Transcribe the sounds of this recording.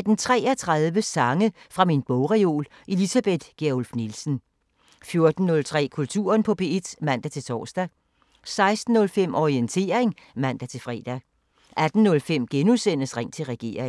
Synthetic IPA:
æd̥ent͡sʰʁɛ̰ːɐt͡sʰʁaðˠʋəsɑ̈ŋəfʁɑ̈minb̥ɔʊʁio̝̰ːl | ʔe̝lisæb̥e̝d̥ɡ̥eɐolfnilsn̩ | fjo̝ɐd̥n̩ːɔ̽lt͡sʰʁɛ̰ːkʰult͡sʰṵːɐnpʰɒ̽b̥e̝e̝d̥mæn̰d̥æt͡sʰe̝t͡sʰɒ̰ːsd̥æ | sɑ̈ɪsd̥n̩ːɔ̽lfem̰ʔɒient͡sʰe̝̰ːɐʁeŋmæn̰d̥æt͡sʰe̝lfʁɛ̰ːd̥æ | ʔæd̥n̩ːɔ̽lfem̰ɡ̥enusen̰əsʁɛŋ̰t͡sʰe̝lʁɛɡ̥e̝̰ːɐ̰eŋ

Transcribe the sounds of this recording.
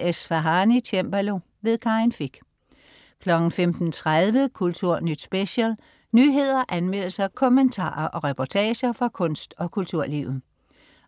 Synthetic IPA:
esfæɦɑnit͡ɕʰemb̥ælo̝ | ʋe̝ðˠkʰɑ̈ɪnfiɡ̥ | kʰlɒ̽ɡ̥n̩femd̥n̩t͡sʰʁaðˠʋəkʰult͡sʰuɐ̰nyd̥sb̥eɕɛl | nyːɦe̝ð̞̰ˠɐʔænmel̰əsɐkʰɔ̽mənt͡sʰɑ̰̈ːɐʔɒ̽ʁɛpʰɒt͡sʰɛːɕɐfʁɑ̈kʰɔ̽n̰sd̥ɒ̽kʰult͡sʰuɐ̰liʊð̩ˠ

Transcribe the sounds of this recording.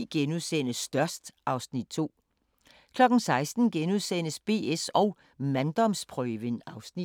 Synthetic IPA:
ɡ̥enuðˠsen̰əsːd̥ɶɐsd̥ʔɑ̈ʊsnid̥̚t͡sʰo̝̰ː | kʰlɒ̽ɡ̥n̩sɑ̈ɪsd̥n̩ɡ̥enuðˠsen̰əsb̥e̝̰ːesɒ̽ʊ | mænd̥ɒ̽mspʰʁœːʋənɑ̈ʊsni̥

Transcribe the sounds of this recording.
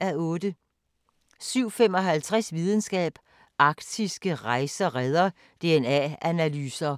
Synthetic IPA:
æɔ̽ːd̥ə | syʊ̰fem̰ɒ̽ɦælt͡sʰʁasʋið̞ˠn̩sɡ̥ɛ̰ːb̥ | ʔɑ̈ɡ̥d̥ʰisɡ̥əʁɑ̈ɪsɐʁɛð̞ˠɐ | d̥e̝enɛ̰ænælyːsɐ

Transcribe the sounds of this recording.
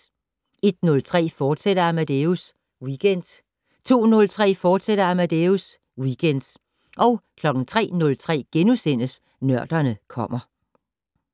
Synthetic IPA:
e̝d̥̚nɔ̽lt͡sʰʁɛ̰ːfɒːd̥seɾ̥ɐæmæd̥eus | wiɡ̥en̰d̥ | t͡sʰo̝̰ːnɔ̽lt͡sʰʁɛ̰ːfɒːd̥seɾ̥ɐæmæd̥eus | wiːɡ̥en̰d̥ | ʔɒ̽ʊkʰlɒ̽ɡ̥ŋ̩t͡sʰʁɛ̰ːnɔ̽lt͡sʰʁɛ̰ːɡ̥enusen̰əs | nɶɐ̰d̥ɐnəkʰɒ̽m̰ɐ

